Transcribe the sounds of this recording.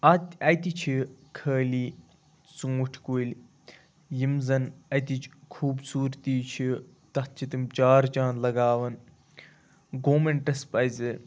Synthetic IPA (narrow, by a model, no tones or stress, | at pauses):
ɐt̪ʲɐt̪it͡ʃʰikʰəːliː | t͡suŋuʈʰkoːlʲ | jimzɐnɐt̪it͡ʃkʰuːbsuːɾt̪iːt͡ʃʰi | t̪ɐtt͡ʃit̪imt͡ʃaːɾt͡ʃaːnlɐɡaːʋɐn | ɡoːmeɳʈɐspɐjzɨ